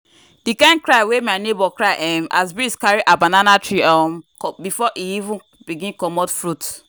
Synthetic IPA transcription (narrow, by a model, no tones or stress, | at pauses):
dikãɪ̃n̚kɹaɪwemaɪnebɔkɹaɪʔɛ̃mʔa̰sbiskaɹiʔabãnanatɹiɔmkbifɔʔiivũn | biɡĩnkɔmɔtfɹut